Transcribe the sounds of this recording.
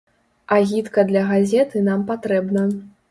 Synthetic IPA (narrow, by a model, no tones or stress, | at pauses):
ɐɣʲit̪kɐd̪lʲɐɣazʲɛt̪ɨnampat̪ɾɛbnɐ